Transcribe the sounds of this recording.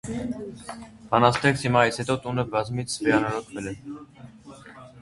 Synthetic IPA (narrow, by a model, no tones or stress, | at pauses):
bɑnɑst̪ʰɛkshimɑishɛt̪ɔt̪unəbɑzmit͡sʰvɛɑnɑɾɔt̪ʰvɛlɛ